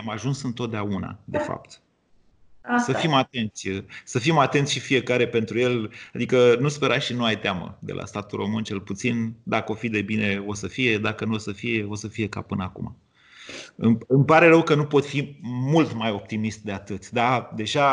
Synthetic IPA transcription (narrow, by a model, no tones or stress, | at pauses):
amaʒunsɨnt̪ot̪̚d̪eauna̰d̪efa̰pt̪ | səfimat̪e̞nt̪sʲsəfimat̪e̞nt̪sʃifije̞kaɾe̞pe̞nt̪ɾuje̞lad̪ikənuspe̞ɾaʃinuajt̪eamə̰d̪e̞̰lʔa̰st̪at̪ulro̞mɨnt͡ʃe̞lput̪sind̪akəo̞fid̪e̞bineo̞səfije̞d̪akənuosəfije̞o̞səfije̞ka̰pɨnəakṵma̰ | ɨmɨmpaɾe̞ɾəwkənupo̞t̪fimult̪majo̞p̚t̪imist̪̚d̪e̞at̪ɨt̪sʲd̪ad̪e̞ʒa